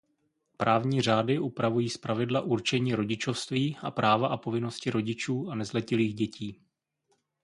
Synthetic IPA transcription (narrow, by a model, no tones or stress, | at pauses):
pɾaːvɲiːr̝aːdɪʔupɾavujiːspɾavɪdlaʔuɾt͡ʃɛɲiːɾo̞ɟɪt͡ʃo̞fst̪viːʔa̰pɾʔaːvaʔapo̞vɪno̞scɪɾo̞ɟɪt͡ʃuːanɛzlɛcɪliːxɟɛciː